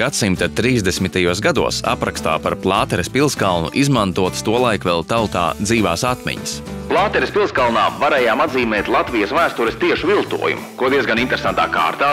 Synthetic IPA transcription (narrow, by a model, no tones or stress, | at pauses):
ɡ̥at̪simt̪at̪ɾiːzd̪esmit̪ajuɔsɡad̪uɔssa̰pɾakst̪a̰ːpaɾplˠɑːt̪ɛɾespilˠskalˠnṵʔizmant̪uɔt̪st̪uɔlˠajkvɛlˠt̪awt̪a̰ːd̪ziːvaːsat̪mʲɛ̰ɲasplˠaːt̪ɛɾespilˠskalˠnaːvaɾɛːjaːmad̪ziːmɛːt̪lˠat̪vijɐsvæːst̪uɾɛst̪iɛʃuvilˠt̪ṵɔjṵmkuɔd̪iɛzɡanint̪eɾesant̪a̰ːka̰ːɾt̪aː